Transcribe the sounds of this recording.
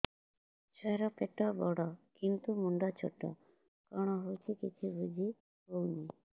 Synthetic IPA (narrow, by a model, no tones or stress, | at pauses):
swaɾɔpeʈɔbɔɽɔkint̪umuɳɖɔt͡ʃʰo̰ʈɔ̰ | kɔɽ̃ɔɦowt͡ʃʰikit͡ʃʰibud͡ʒʱi | ɦowni